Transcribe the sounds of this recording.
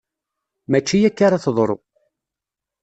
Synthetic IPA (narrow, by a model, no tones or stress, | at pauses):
mæt͡ʃːijækːaɾaθðˤɾˤo̰